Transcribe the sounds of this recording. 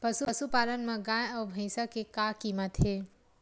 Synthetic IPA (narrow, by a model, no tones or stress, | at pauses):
pɐsuɐsupaːlənmẽɡãːjɔːbʱɐ̃ːsakekaːkiːmət̪ɦeː